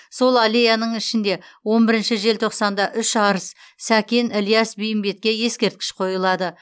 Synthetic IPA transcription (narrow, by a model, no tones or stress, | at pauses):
so̞lˠalejanəɴɪʃɪnd̪e̞wo̞nbɪɾɪnʃɪʒe̞lt̪ʰo̞qsɑnd̪ɑʔʏʃɑɾəssækʲenɪlijasbijɪmbe̞t̪̚kʲe̞je̞skʲe̞ɾt̪kʲɪ̥ʃqʰo̞jəlˠɑd̪ə